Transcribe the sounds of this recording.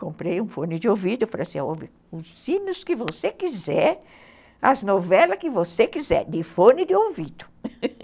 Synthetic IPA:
kõmpɾejũfõnɪd̪ɪovid̪ʊfɾasiovɪ | ʊsːĩnʊskɪvosekizɛɾ | ɐznovɛlɐkɪvosekizɛ̰d̪ɪfõnɪd̪ɪowvid̪ʊ̥

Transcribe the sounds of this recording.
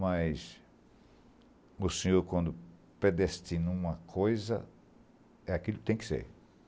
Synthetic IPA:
mɐjs | ʊsẽɲoɾkwɐ̃nd̪ʊpɾed̪est̪ĩnũmɐkʰojzɐ̰ | ɛakilʊkɪ̥t̪ẽj̃kɪ̥sḛɾ

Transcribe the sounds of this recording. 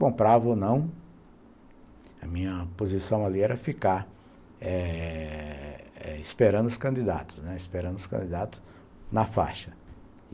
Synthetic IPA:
kõmpɾavɐonɐ̃w̃ | ɐmĩɲɐpozisɐ̃w̃aliɛɾɐfikaɾ | ɛ | ɛispeɾɐ̃nd̪ʊskɐ̃nd̪id̪a̰t̪ʊ̥snɛispeɾɐ̃nd̪ʊskɐ̃d̪id̪at̪ʊ̥s | nɐfa̰ʃɐ

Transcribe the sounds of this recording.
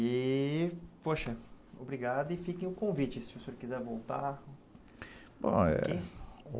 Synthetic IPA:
ɪ | poʃɐobɾiɡad̪ʊɪfikẽj̃ʊkõvit͡ʃɪsɪosoɾkizɛɾvowt̪a | bõ̰ɛ̰ke

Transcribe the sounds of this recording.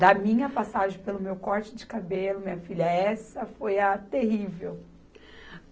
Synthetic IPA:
d̪ɐmĩɲɐpasaʒẽj̃pelʊmewkɔɾt͡ʃɪd͡ʒɪkabelʊmĩɲɐfiʎɐɛsɐfojɐt̪eɦivew

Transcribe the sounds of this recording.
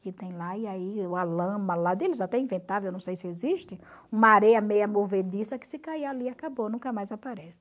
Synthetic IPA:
kɪt̪ẽj̃laiaiʊalɐ̃mɐlad̪elɪzat̪ɛĩvẽnt̪avewewnɐ̃w̃sejsɪeziʃt̪ɪ̃ũmɐaɾɛjɐmejɐmoved̪isɐkɪ̥sɪkajaliakabonũkɐmajzapaɾɛsɪ̥

